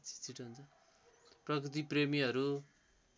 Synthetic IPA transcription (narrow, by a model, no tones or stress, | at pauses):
t͡si̥t͡siʈɦunt͡sʰʌ | prʌkrit̪̬ipremiɦʌɾu